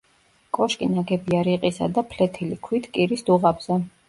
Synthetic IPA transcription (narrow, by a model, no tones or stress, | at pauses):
kʼɔʃkʼinaɡɛbiaɾiqʼisa̰d̪apʰlɛt̪ʰilikʰwit̪ʰkʼiɾisd̪uʁabz̥ɛ